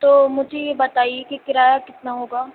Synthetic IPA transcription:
t̪oːmʊd͡ʒʱejebɐt̪aːiekikɪɾaːjakɪt̪naɦoːɡaː

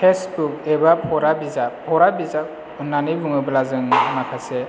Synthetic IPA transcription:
pʰesbukebapʰɔɾabizapʰɔɾabiza | unːanibuŋɯbɯlazɯŋnakʰase

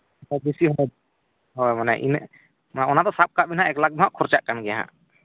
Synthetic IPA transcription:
hɔjbisiɦɔj | ɦɔjmanɛ̰ʔḭn | manaɔnat̪ɔsap̚kaʔbinɦaʔɛklakɡ̚bɦaʔkʰɔɾt͡ʃaʔkanɡɛjaɦa̰ʔ

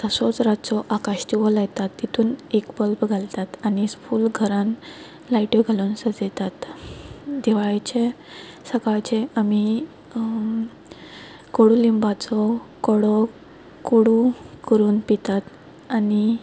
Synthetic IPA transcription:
t̪əsɔt͡sɾat͡sɔʔakaɕt̪iʋɔlajt̪at̪ːit̪ʰuːnekbəlpɡʱalt̪at̪anispuːlɡʱəɾãn | laiʈjɔɡʱalunsəd͡zet̪at̪ | d̪ɛʋaɭt͡ɕe | səkajt͡ɕẽami | koɽulimbat͡sɔkɔɽɔ | koɽukəɾuːnpit̪at̪ | ani

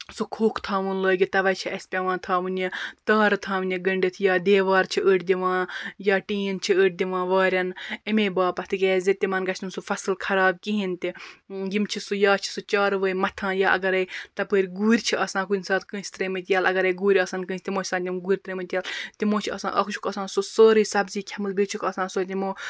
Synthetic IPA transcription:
sukʰoːkʰt̪ʰaːʋɨnləːɡit̪ɐʋɐjt͡ʃʰiʔɐsʲpʲɐʋãːnt̪ʰaːʋɨnjit̪aːɾt̪ʰãːʋɨnʲɐɡɐɳɖit̪ʰjaːd̪eːʋaːɾt͡ʃʰiʔəːʈʰd̪ʲiʋãːjaːʈiːnt͡ʃʰiəːʈ̚ʰʲd̪ʲiʋãːʋaːɾʲɐnɐmeːbaːpɐt̪ʰikʲeːzet̪ʲimɐnɡɐt͡ʃʰnsufɐsɨlkʰɐɾaːb̚kiɦint̪ijimt͡ʃʰisujaːt͡ʃʰi̥sut͡ʃaːɾʋəːimɐt̪ʰãːjaːʔɐ̰ɡɐɾɐjt̪ɐpəːɾʲɡuːɾʲt͡ʃʰiʔɐsãːk̬unʲsaːt̪kə̃ːsʲt̪ɾemɨt̪ʲijaːlɐɡɐɾɐjɡuːɾʲɐsɐnkɨ̃ːsʲt̪imoːt͡ʃʰʲsãːt̪ʲimɡuːɾʲt̪ɾemɨt̪ʲijaːlt̪imoːt͡ʃʰiɐ̰sã̰ːʔɐkʰt͡ʃʰu̥kɐsãːsusəːɾiːsɐbziːkʲʰɐmɨlbit͡ʃʰukɐsãːsot̪imoː

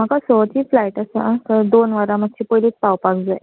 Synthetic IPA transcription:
m̤akasɔʋ̪iːflajʈasəat̪əɾd̪onʋaɾãmət̪̚t͡ɕiːpojliːt͡spawpakd͡zaj

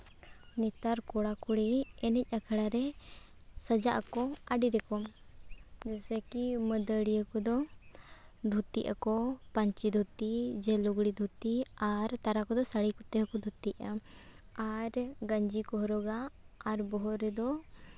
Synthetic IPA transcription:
nit̪aɾkɔɽakuɽiɛnɛc̚ˀakʰəɽaɾɛ | səd͡ʒaʔakɔaɖiɾɛkɔ | d͡ʒɛsɛkiməd̪əɽiakɔd̪ɔ | d̪ʱut̪iʔa̰kɔpaɲt͡ʃid̪ʱut̪id͡ʒɛluɡɽid̪ʱut̪iaɾt̪aɾakɔd̪ɔsaɽikɔt̪ɛɦəkɔd̪ʱut̪iʔa | aɾɡəɲd͡ʒikɔɦɔɾɔɡaː | ɾbɔɦɔɾɛd̪ɔ

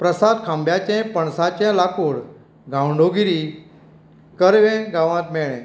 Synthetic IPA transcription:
pɾəsad̪̚kʰãmbjat͡ɕɛ̃pəɳsat͡ɕɛ̃lakʰuːɽ | ɡʱãwɳɖoɡiɾi | kəɾʋɛ̃ɡãʋãt̪mɛɭɛ̃

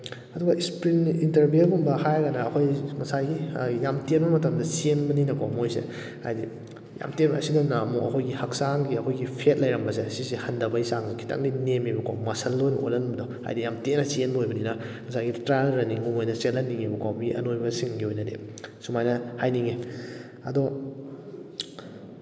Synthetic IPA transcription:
ɐduɡaispɾinintɐɾbielɡumbɐhajɡanɐːkʰojŋɐsajɡijamtenbɐmɐtɐmdɐsienbɐninɐkamojsḛ | ha̰jdi | ja̰mtenɐ̰sidɐnɐɐmukɐ̰kʰojɡihɐk̚saŋɡiɐkʰojɡipʰet̚lɐjɾɐmbɐsesisihɐndɐbɐisaŋzikʰi̥ta̰ŋdinemibɐkʰa̰wmɐsɐlːojnuʔo̰lɐnbɐdɔha̰jdijamtenɐsienbɐojbɐninɐ | ŋɐsajɡitɾalɾɐniŋumojnɐselɐnːiŋibɐkwawmiʔɐ̰nojbɐsiŋɡiojnɐdḛsumajnɐhajniŋe | ɐ̰dɔ

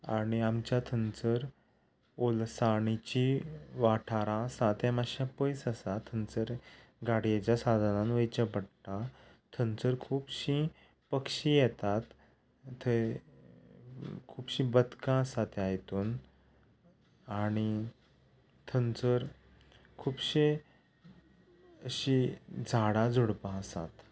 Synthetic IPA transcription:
aɽ̃iamt͡ɕjat̪ʰənt͡səɾ | olsaɳ̃it͡ɕiʋaʈʰaɾãsat̪ɛ̃maɕapəjsəsat̪ʰənt͡səɾɡaɽijet͡ɕjasad̪ʱanãnʋəjt͡ɕəpəɽʈa | t̪ʰənt͡səɾkʰuːpɕi | pəkɕijɛt̪at̪ː | ə | kʰuːbɕĩbəd̪kãəsat̪ajt̪uːn | aɽ̃i | t̪ʰənt͡səɾ | kʰuːpɕe | əɕid͡zʱaɽad͡zʱuɽpãəsa̰t̪

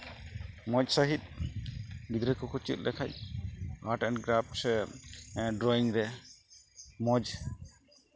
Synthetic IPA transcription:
mɔd͡ʒsaɦit̪̚ˀ | bid̪ɾɛkɔkʰut͡ʃḭt̪̚ˀlɛ̰kʰa̰c̚aɾʈɛnɡɾap̚sɛ | ɖɾɔiŋɾɛ | mɔd͡ʒ

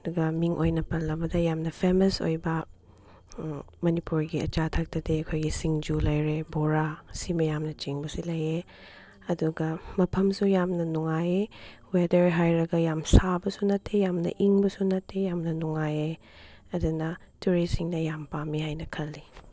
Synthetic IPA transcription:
ɐduɡɐmiŋʔojnɐpɐnːɐbɐdɐjamnɐpʰemɐso̰jbɐ | mɐnipuɾɡiɐ̰t͡ʃatʰak̚tɐdiɐkʰojɡisiŋd͡ʒulɐjɾeboɾasimɐjamnɐt͡ʃiŋbɐsilɐje | ɐduɡɐmɐpʰɐmsujamnɐnuŋajewedɐɾɦajɾɐɡɐjamsabɐsunɐtʰːejamnɐ̰ʔiŋbɐsunɐtʰːejamnɐnuŋaje | ɐdunɐ | tuɾisiŋnɐjampamihajnɐkʰɐlːi

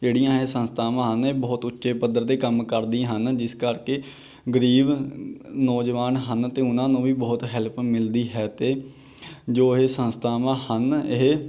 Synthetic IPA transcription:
d͡ʒeːɽijãːɦeːsənst̪ʰaːmãːɦəneːbɔːt̪ʊtːʃeːpəd̪əɾd̪eːkəmkəɾd̪ĩɦənd͡ʒɪskəɾkeː | ɡəɾiːb | nɔːd͡ʒʋaːnɦənt̪eːʊnãːnũːʋiːbɔːt̪ɦɛlpmɪld̪iːɦɛːt̪eː | d͡ʒoːɦeːsənst̪ʰaːmãːhəneɦ

